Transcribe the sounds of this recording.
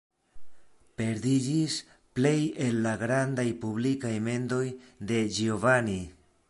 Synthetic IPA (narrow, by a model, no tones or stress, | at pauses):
pe̞ɾdid͡ʒis | ple̞je̞lːaɡɾandajpublikajme̞ndo̞jde̞d͡ʒiovani